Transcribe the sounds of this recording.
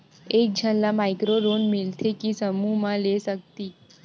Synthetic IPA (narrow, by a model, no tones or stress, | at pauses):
ek̚d͡ʑʱənlamaikɾoɾonmilt̪ʰekisəmuɦmãlesək̚t̪i